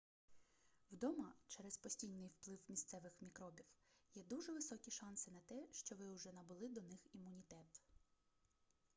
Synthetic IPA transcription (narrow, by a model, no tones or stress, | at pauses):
wd̪ɔmɐt͡ʃɛɾɛspɔsʲtʲijnɪjwplˠɪwmʲist̪sɛʋɪxmʲikɾɔbʲiwjɛd̪uʒɛʋɪsɔkʲiʃɑnsɪnɐt̪ɛʃt͡ʃɔʋɪwʊʒɛnɐbʊlˠɪd̪ɔnɪximːʊnʲit̪ɛt̪